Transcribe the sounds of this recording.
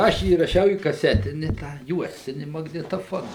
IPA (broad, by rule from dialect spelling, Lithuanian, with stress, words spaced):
ˈɐʃ iːrɐˈʃʲɛʊ iː kɐˈsʲæːtʲɪnʲɪ tɑː ˈjuɔsʲtʲɪnʲɪ mɐɡnʲɪtoːˈfoːnɐ